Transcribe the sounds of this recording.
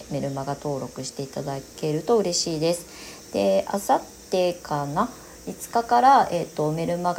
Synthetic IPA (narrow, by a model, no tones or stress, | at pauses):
me̞ɾɯ̟maɡat̪o̞ːɾo̞kɯ̟ɕi̥t̪e̞it̪ad̪ake̞ɾɯ̟t̪o̞ɯ̟ɾe̞ɕiːd̪e̞sɨ̥ | d̪̥e̞a̰sat̪ːe̞kʰana | it͡sɨ̥kakaɾae̞t̪ːo̞me̞ɾɯ̟maɡ